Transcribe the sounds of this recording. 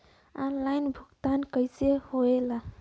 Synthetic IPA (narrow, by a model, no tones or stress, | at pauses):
anlajnbʱuɡt̪ankəɪsehoela